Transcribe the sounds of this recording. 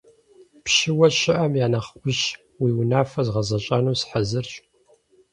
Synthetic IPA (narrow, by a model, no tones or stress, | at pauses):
pɕɪwɐɕɪʔɐmjaːnaχkʷʊɕ | wiːwʊnaːfɐzʁɐzɐɕʼɐnuːsħazɨrɕʼ